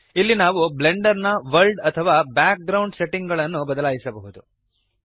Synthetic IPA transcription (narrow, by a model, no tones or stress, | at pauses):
ilːinaːʋuble̞ɳɖɐɾnɐʋɐɾlɖɐt̪ʰɐʋaːbjaːk̚ɡɾɐwɳɖse̞ʈiŋɡɐɭɐnːubɐd̪ɐlaːjisɐbɐɦud̪u